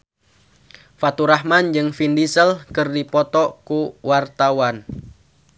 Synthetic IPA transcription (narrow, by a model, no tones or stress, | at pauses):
fat̪uɾaɦmand͡ʒɨŋfindisəlkɨrdipɔt̪ɔkuwart̪awan